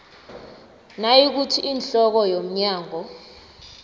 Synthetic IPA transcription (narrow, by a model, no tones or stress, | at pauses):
najik̬utʰiinɬɔk̬ɔjom̩ɲaːŋɔ